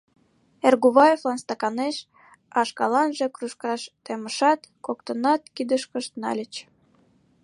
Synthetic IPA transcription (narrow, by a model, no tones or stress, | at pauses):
erɣuβɑjeflɑnst̪ɑkɑneʃ | ɑʃkɑlɑnʒekruʃkɑʃt̪eməʃɑt̪kok̚t̪ənɑt̪̚kid̪əʃkəʃt̪nɑ̰lʲət͡ɕ